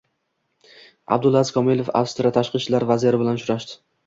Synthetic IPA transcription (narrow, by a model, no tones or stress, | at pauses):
a̰b̚d̪ʊlˠazkʰɒmilˠefa̰fst̪ɾat̪ʰaʃqɨt͡ʃːlaɾvazijaɾɪbɪlanʃʊɾaʃt̪ɪ̥